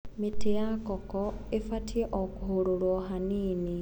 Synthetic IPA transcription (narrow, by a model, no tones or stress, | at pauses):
miteakɔkɔ | efatieʔokuɦoɾoɾwoɦaniːni